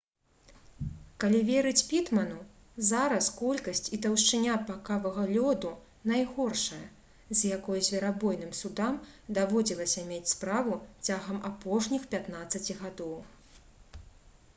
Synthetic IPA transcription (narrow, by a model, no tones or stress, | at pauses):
kalʲivʲɛɾɨt͡sʲpʲit̪mɐnu | zaɾɐskɔlʲkɐsʲt͡sʲit̪ɐwʂt͡ʂɨnʲapakavɐɣɐlʲɔd̪u | najɣɔrʂɐjɐ | zʲjakɔjuzʲvʲɛɾabɔjnɨmsud̪amd̪avɔd͡zʲilˠɐsʲɐmʲet͡sʲspɾavut͡sʲaɣɐmapɔʂnʲixpʲat̪nat̪sːɐt͡sʲiɣad̪ɔw